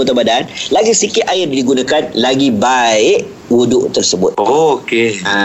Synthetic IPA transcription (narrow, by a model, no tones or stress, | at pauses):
ut̪abadanlaɡisikɪt̪ʔaɪrdiɡunãkanlaɡibaɪʔ | wudʊʔt̪ərsəbʊt̪̚okea